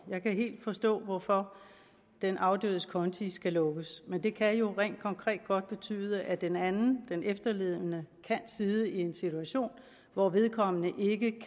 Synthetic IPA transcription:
jɑ̈ɪkʰæɦe̝̰ːld̥fɒ̽sd̥ɔ̰̽ːʋɒfɒ | d̥enʔɑ̈ʊdø̰ːðˠəskʰɒ̽nt͡sʰisɡ̥ælɔ̽ɡ̥əsmend̥e̝kʰæjo̝ʁɛ̰ːnd̥kʰɒ̽ŋkʰʁɛ̰ːd̥̚ɡ̥ɒ̽d̥̚b̥e̝t͡sʰy̰ːð̞ˠəʔæd̥enænn̩d̥enefd̥ɐle̝ːð̰ˠənəkʰænsið̞ˠəie̝nsit͡sʰuæɕo̝̰ːn | ʋɒʋe̝ð̞ˠkʰɒ̽mənəʔe̝ɡ̥əkʰ

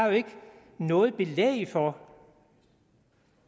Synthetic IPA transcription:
joe̝ɡ̥ | nɔ̽ːð̞̩ˠb̥e̝lḛɪfɒ

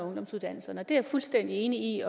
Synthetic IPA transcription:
ɔ̽ŋd̥ɒ̽msuðˠd̥æn̰l̩sɐnəɒ̽d̥e̝æɐfulsd̥en̰d̥ie̝ːniiɒ

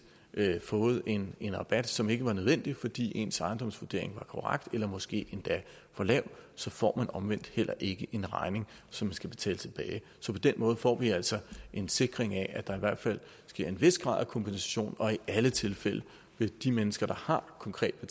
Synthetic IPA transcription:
fɔ̽ːð̞̩ˠe̝ne̝nʁɑ̈b̥æd̥sɒ̽me̝ɡ̥əʋɑ̈nøð̞ˠʋen̰d̥ifɒ̽d̥ḭːe̝nsɑ̈ɪnd̥ɒ̽m̰sʋuɐd̥e̝ɐ̰e̝ŋʋɑ̈kʰɒʁaɡ̥d̥elɐmɒ̽sɡ̥e̝̰ːe̝nd̥æ | fɒlɛʊsɒ̽fɒ̰ːmænɒ̽mʋen̰d̥hel̰ɐʔe̝ɡ̥əʔe̝nʁɑ̈ɪne̝ŋsɒ̽mænsɡ̥æb̥e̝t͡sʰɛ̰ːlət͡sʰe̝b̥ɛːɪ | sɒ̽pʰɒ̽d̥enmɔ̽ːðˠfɒ̰ːʋiæl̰sɒ̽ʔe̝nse̝ɡ̥ʁeŋæʔæd̥ɑ̈iʋæɐ̰d̥fæl̰ | sɡ̥e̝ɐ̰e̝nʋe̝sɡ̥ʁɑ̰̈ð̰ˠkʰɒ̽mb̥insæ̥ɕo̝̰ːnɒ̽iʔælət͡sʰe̝lfel̰ə | ʋe̝d̥imenəsɡ̥ɐd̥ɑ̈hɑ̈kʰɒ̽ŋkʰʁɛ̰ːd̥̚b̥e

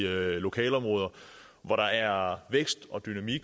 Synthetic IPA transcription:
lo̝kʰɛ̰ːlɒ̽mʁɔ̽ːð̞ˠɐ | ʋɒɾɑ̈æɐʋeɡ̥sd̥ɒ̽d̥ynæmiɡ̥

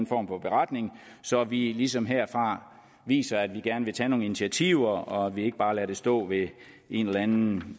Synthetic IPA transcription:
nfɒ̰ːmfɒ̽b̥e̝ʁɑd̥ne̝ŋ | sɒ̽ʋilisɒ̽mɦeɐ̰fʁɑ̈ | ʋḭːsɐæd̥ʋiɡ̥æɐnəʋe̝t͡sʰɛno̝ːŋ̩init͡sʰiæt͡sʰiʊɐɒ̽æʋie̝ɡ̥əb̥ɑ̈ːlæɐɾ̥e̝sd̥ɔ̰̽ːʋe̝ | ʔe̝nelænn̩

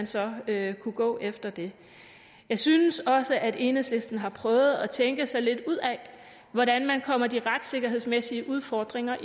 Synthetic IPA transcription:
nsɒ̽økʰuɡ̥ɔ̰̽ːʔefd̥ɐd̥e̝ | jɑ̈ɪsynəsɒ̽səʔæde̝ːnəsle̝sd̥n̩ɦɑ̈pʰʁœːʊð̞̩ˠɒt͡sʰeŋɡ̥əsɑ̈ɪle̝d̥uð̞̰ˠɛ | ʋɒɾænmænkʰɒ̽m̰ɐd̥iʁɑd̥se̝ɡ̥ɐɦe̝ð̞̰ˠsmesiəʔuð̞ˠfɒːd̥ʁeŋɐʔ

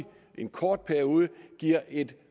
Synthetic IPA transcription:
ʔe̝nkʰɒːd̥̚pʰæɐio̝ːð̞ˠəɡ̥iɐ̰ʔe̝d̥

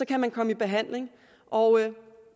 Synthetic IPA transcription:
sɒ̽kʰæmænkʰɒ̽məib̥e̝ɦæn̰le̝ŋ | ʔɒʊ

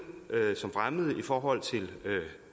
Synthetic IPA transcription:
ʔøsɒ̽mfʁaməð̩ˠəifɒːɦɒ̽l̰t͡sʰe̝lø

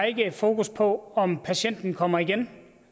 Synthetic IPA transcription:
e̝ɡ̥ə̥fo̝ːkʰuspʰɒ̽ɒ̽mpʰæɕen̰d̥n̩kʰɒ̽m̰ɐiɡ̥en

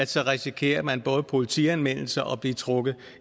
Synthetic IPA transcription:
lsɒ̽ʁɛsikʰe̝̰ːɐmænb̥ɔ̽ːð̞̩ˠəpʰo̝lit͡sʰiænʋen̰l̩sɐʔɒ̽b̥lit͡sʰʁɔɡ̥ð̩ˠ

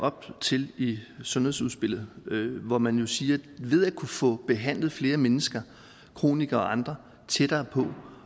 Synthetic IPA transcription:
ɒ̽b̥̚t͡sʰe̝lisɔ̽nhe̝suðˠsb̥e̝l̰ð̞̩ˠʋɒmænjo̝siːɐʋe̝ð̞ˠækʰufɔ̽b̥e̝ɦæn̰lð̞̩ˠfle̝ːɐmenəsɡ̥ɐ | kʰʁo̝̰ːniɡ̥ɐɒ̽ʔɑ̈nd̥ʁɐ | t͡sʰeɾ̥ɐːpʰɒ̽

